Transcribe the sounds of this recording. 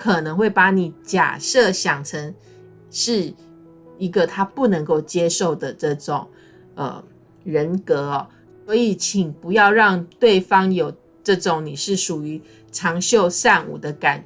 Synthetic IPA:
kʰɤ˨˩nə˧˥ŋxwe˥˩ɪpa˧˥ni˨˩t͡ɕja̰˨˩sɤ˥˩ɕjɑ˨˩ŋʈ͡ʂʰə˧˥ŋ | ʂɻ̩˥˩ | i˧˥ɡə˨t̪ʰa˥pu˥˩nə˧˥ŋko˥˩ʊt͡ɕjɛ˥ʂo˥˩ʊd̪ə˩ʈ͡ʂɤ˥˩ʈ͡ʂʊ˨˩˦ŋ | ə̰˩ | ɻə˧˥nkɤ˧˥ɔ˨ | swɔ˧˥i˨˩t͡ɕʰi˨˩ŋpu˧˦jɑ˥˧ʊɻɑ˥˧ŋt̪we˥˩ɪfɑ˥ŋjo˨˩ʊ | ʈ͡ʂɤ˥˩ʈ͡ʂʊ˨˩ŋni˨˩ʂɻ̩˥˩ʂu˨˩y˧˥˦ | ʈ͡ʂʰɑ˧˥ŋɕjo˥˧ʊʂa˥˧nṵ˨˩d̪ə˦ka˨˩n

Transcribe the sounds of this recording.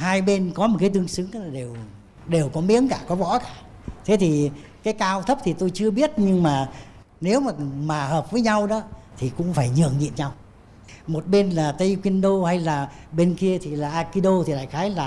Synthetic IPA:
haː˧jɓe˧nkɔ˨˦mo˨˩t̚kaː˨˦jt̪ɨ˧əŋsɨ˨˦ŋ˨˩ɗe˨˩w | ɗe˨˩wkɔ˨˦mḭ˧˥əŋkaː˧˩kɔ˨˦vɔ̰˧˥kaː˧˩t̪ʰe˨˦t̪ʰi˨˩kaː˨˦jkaː˧wt̪ʰə˦˥p̚t̪ʰi˨˩t̪o˧jt͡ɕɨ˧əɓi˦˥ət̚ɲɨ˧ŋmaː˨˩ | ne˨˦wmaː˨˩maː˨˩həː˨˩p̚vəː˨˦jɲa˧wɗɔ˨˦t̪ʰi˨˩kʊ̰˧˥ŋ͡mfaː˧˩jɲɨ̰˧˨əŋɲḭ˧˨ənɲa˧w | mo˨˩t̚ɓe˧nlaː˨˩t̪ə˧jxwi˧ənɗo˧ha˧jlaː˨˩ɓe˧nki˧ət̪ʰi˨˩laː˨˩ʔaː˧ki˧ɗo˧t̪ʰi˨˩la̰ː˧˨jxaː˨˦jlaː˨˩

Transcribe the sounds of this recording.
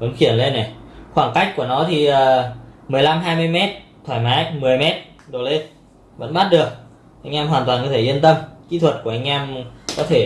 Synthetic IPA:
və̰˨˧˥nxi˧˩ənle˧nːɛ˨˩xwaː˧˩ŋka˦˥jk̚ku˧˩ənɔ˨˦t̪ʰi˨˩ʔəː˨˩mɨ˨˩əjla˧mɦaː˧jmɨ˧əjmɛ˦˥t̚t̪ʰwaː˧˩jmaː˨˦jmɨ˨˩əjmɛ˦˥t̚ | ɗo˨˩le˧ | və̰˧˥nɓaː˦˥t̚ɗɨ˨˩ək̚ | ʔa˧jŋʔɛ˧mɦwaː˨˩nt̪waː˨˩nkɔ˨˦t̪ʰe˧˩zi˧ənt̪ə˧mkḭ˧˥t̪ʰwə˨˩t̚ku˧˩ʔa˧jŋ̟ʔɛ˧mkɔ˨˦t̪ʰe˧˩

